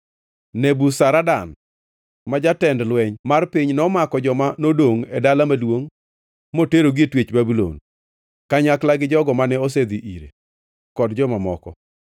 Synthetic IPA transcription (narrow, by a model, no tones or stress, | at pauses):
nebusaɾadan | mad͡ʒatɛndlwɛɲmarpiɲnɔmakɔd͡ʒɔmanodoŋedalamadwoŋ | moteɾoɡɪetwet͡ʃbabilo̰n | kaɲaklaɡɪd͡ʒɔɡɔmanɛos̬ed̪iʔḭɾḛ | kɔdd͡ʒɔmamɔkɔ̰